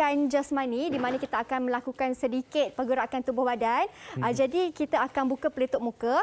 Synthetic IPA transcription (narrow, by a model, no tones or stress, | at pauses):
and͡ʒəsmanĩdimanãkit̪aakanmə̃lakukansədikɪt̪̚pəɡuɾaʔkant̪ubʊhbadand͡ʒadikit̪aakanbukəpəlit̪ʊʔ̚mũkə